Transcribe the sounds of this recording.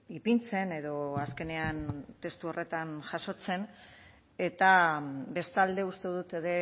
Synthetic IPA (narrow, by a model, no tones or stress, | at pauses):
ipint͡se̞ne̞ðo̞aske̞ne̞ant̪e̞st̪uo̞rʔe̞t̪anʝaso̞t͡se̞n | e̞t̪abe̞st̪ald̪e̞ust̪eðut̪e̞ðe̞